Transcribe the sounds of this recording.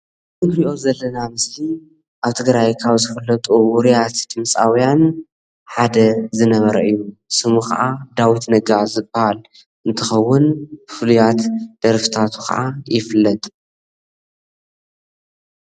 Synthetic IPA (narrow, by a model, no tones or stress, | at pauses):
zɨbɾiʔo̞zɐlːɐnamɨsli | ʔaβt̪ʰɨɡɾajkʰaβzɨflːɐt̪ʼuwʊɾijat̪d̪ɨmsʼawijan | ħad̪ɐzɨnɐβɐɾɐʔɨjːusɨmuxɐ̰ʔad̪awit̪nɐɡazɨbɐhal | ʔɨnt̪ʰɐxɐwːʊnbfɨlujat̪d̪̥ɐɾfi̥t̪ʰat̪ʰu̥kʰɐ̰ʔa̰jɪflːɐt̪ʼ